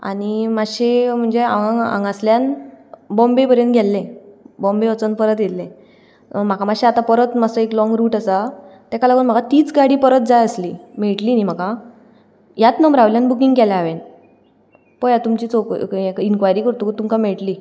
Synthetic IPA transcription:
a̰ñimaɕem̤əɳd͡zeaaa̰ŋɡasljanbɔmbepəɾjə̃nt̪ɡʱjɛlːẽbɔ̃mbeʋət͡sənpəɾət̪jellẽ | m̤akamaɕeat̪ãpəɾət̪masəeklɔ̃ŋɡɾuːʈasat̪akalaɡuːnm̤aɡat̪iːt͡sɡaɽiːpəɾət̪̚d͡zajəslimeɭʈliːnim̤aka | jat̪nəmbɾaʋljãnbukiŋɡkɛlaaʋen | pɔjat̪umt͡ɕiːt͡sokekinkʋajɾiːkəɾt̪ukt̪umkameɭʈli

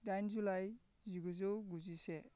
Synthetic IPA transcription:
dajnzulaj | zuɡuzɔwɡuzise

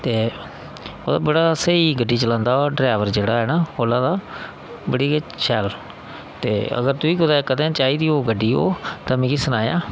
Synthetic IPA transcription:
t̪eː | oːd̪a̰ːbəɽaːsəiːɡəɖːiːt͡ʃəlãːnd̪aːoːɖɾaːʋəɾd͡ʒeːɽaːɦɛːnaːoːlãːd̪aː | bəɽiːət͡ʃʰɛːl | t̪eːə̰ɡəɾt̪uiːkʊd̪aːkəd̪ẽːt͡ʃaːiːd̪iːoːɡəɖːiːo̰ːt̪ãmɛ̃ːkɪsənaːjã̰ː

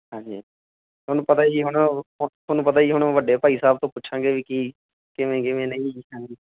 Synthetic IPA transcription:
ɦãːɲd͡ʒiː | t̪ʰoːnũːpət̪aːiːɦʊɳt̪ʰoːnũːpət̪aːiːɦʊɳʋəɖeːpaːiːsaːb̚t̪õːpʊtːʃʰãːɡeːʋiːkiː | kɪʋẽːkɪʋẽːnə̃ĩːãːd͡ʒiː

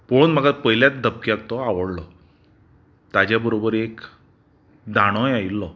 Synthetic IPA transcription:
pounm̤əɡapəjljat͡sd̪ʱəp̚kjakt̪ɔaʋəɽlɔ | t̪ad͡ʑjabəɾobəɾek | d̪ʱaɽ̃ɔjailːɔ

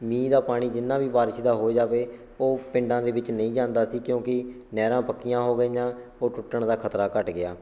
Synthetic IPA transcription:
mĩːd̪aːpaːɽ̃iːd͡ʒɪnːãːʋiːbaːɾʃid̪aːɦoːd͡ʒaːʋeː | oːpɪ̃ɳɖãːd̪eːʋɪt͡ʃnə̃ĩːd͡ʒãːnd̪aːsiːkjõːkɪ | nɛːɾãːpəkːɪjãːɦoːɡəiːjãːoːʈʊʈːəɳd̪aːkʰət̪ɾaːkəʈɡɪaː

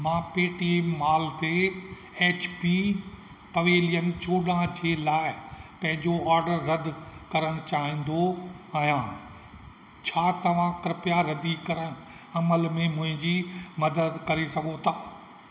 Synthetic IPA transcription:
mãːpeːʈiemaːlt̪e | eːt͡ɕpi | pɐʋeːlijəmt͡ɕoːɗãd͡ʑeːlaːɪpɐ̃ɦɪ̃ɲd͡ʑoaːɾɖəɾːɐd̪ʱkɐɾəɽ̃t͡ɕaːɦĩːn̆d̪oɐ̃ã | t͡ɕʰaːt̪ɐʋ̤ãkɪɾɪpjaɾɐd̪ikɐɾəɽ̃ | ɐməlmẽmʊ̃ɦɪ̃ɲd͡ʑimɐd̪əd̪kɐɾesɐɡʱot̪ʰaː

